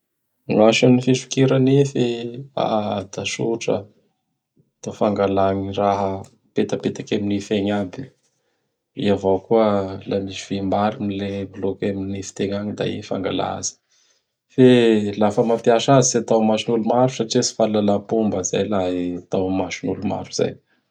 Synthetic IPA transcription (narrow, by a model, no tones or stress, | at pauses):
ŋaʃanifiʃi̥kiɾanefea̰d̪̥aʃuʈ͡ʂə̰ | t̪afaŋɡalaɲiraɦə | pet̪apet̪akaminifeɲabi | ḭavokuəlamisiv̥emaɾinileblokaminifi̥t̪eɲaɲid̪a̰ḭfa̰ŋɡa̰la̰a̰zi̥ | felafəmapiaʃazisiat̪awmaʃinulumaɾusaʈ͡ʂisi̥falanapumbəza̰jlaɦat̪awmaʃinuluma̰ɾuz̥a̰j